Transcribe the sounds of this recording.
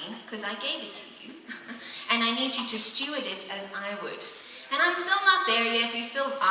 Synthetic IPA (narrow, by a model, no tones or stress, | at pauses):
nkʰʌzaɪɡeɪvɨtʰɨjʉ̰ | ʔɨ̃naɪnid͡ʒɨɾɨst͡ʃʉɨɾɪɾɨzaɪwə̰d | ɨ̃ñãɪ̃mstɪlˠnət̚vɛɹiɛtjɨstɪlˠba